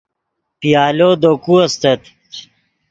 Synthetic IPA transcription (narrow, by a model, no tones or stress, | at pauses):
pijaːloːd̪okuɐst̪et̪